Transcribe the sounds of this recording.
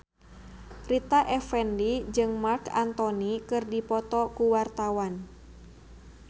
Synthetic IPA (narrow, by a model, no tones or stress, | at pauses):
rit̪aʔɛfɛndid͡ʒɨŋmarkant̪ɔnikɨrdipɔt̪ɔkuwart̪awan